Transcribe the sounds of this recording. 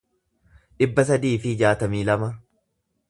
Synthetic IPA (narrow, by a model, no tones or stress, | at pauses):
ᶑɪbːɐs̬ɐd̪iːfɪd͡ʒaːt̪ɐmiːlɐmɐ